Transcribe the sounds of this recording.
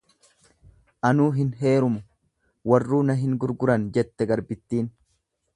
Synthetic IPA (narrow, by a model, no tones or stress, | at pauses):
ʔɐnuːɦɪnɦe̞ːɾʊmʊ | wɐrːuːnɐɦɪŋɡʊɾɡʊɾɐnd͡ʒɛt̪ːɛɡɐɾbɪt̪ːiːn